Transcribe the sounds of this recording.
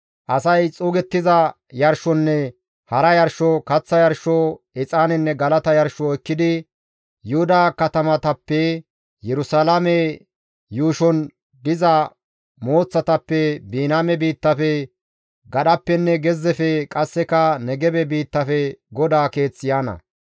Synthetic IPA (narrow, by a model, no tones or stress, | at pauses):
ʔɐsɐjt͡sʼuːɡɛt̪ːɪzɐ | jɐɾʃɔnːɛ | hɐɾɐjɐɾʃɔkɐt͡sːɐjɐɾʃɔ | ɛt͡sʼaːnɛnːɛɡɐlɐt̪ɐjɐɾʃɔɛkːɪd̪ɪ | jʊhʊd̪aːkɐt̪ɐmɐt̪ɐpːɛ | jɛɾʊsalɐmɛ | juːʃɔn | d̪ɪzɐ | moːt͡sːɐt̪ɐpːɛbiːnaːmɛbiːt̪ːɐfɛ | ɡɐɗɐpːɛnːɛɡɛzːɛfɛkʼɐsːɛkɐnɛɡɛbɛbiːt̪ːɐfɛɡɔd̪aːke̞ːt͡sːɪjaːnɐ̰